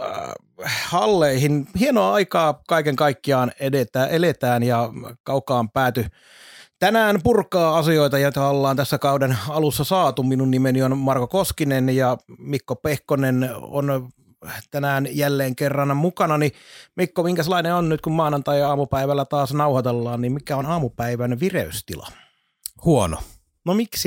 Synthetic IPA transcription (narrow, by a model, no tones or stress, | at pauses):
hɑlːeihinhienoɑɑikɑːkɑikeŋkɑikːiɑːnedet̪æːʔelet̪æːnjɑkɑukːˑɑːmpæːt̪y | t̪ænæːnpurkɑːɑsioit̪ɑjot̪ɑolːɑːnt̪æsːækɑudenɑlusːɑsɑːt̪uminunnimenionmɑrkokoskinenjɑmikːopehkoneno̰n | t̪ænæːnjælːeːŋkerːɑnmukɑnɑnimikːomiŋkæselːˑɑineonnyt̪kummɑːnɑnt̪ɑiɑːmupæiʋælːæt̪ɑːsnɑuhɑt̪elːɑːnnimmikæonɑːmupæiʋænʋirḛyst̪ilɑ̰ | huono̰ | nomiksi